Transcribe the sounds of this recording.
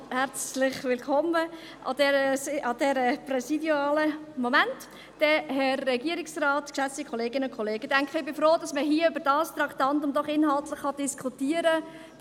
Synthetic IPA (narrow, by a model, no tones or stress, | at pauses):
hɛɾt͡slɪχʋɪlkʰɔmə | ʔɑ̰dɛɾəsɑd̥ɛɾəpɾɛsidjaːləmɔmænt | d̥ɛɦɛrːɛɡiəɾɪksrɑːtkʃæt͡sikʰχɔleːɡɪnəʊnkʰɔleːɡ̥əd̥æŋkχəɪbɪfɾoːdɑsməɦiːəʏbəɾd̥ɑːst̪ɾɑktɑntʊmdɔχɪnɦɑltləχːɑdɪskχutiːəɾə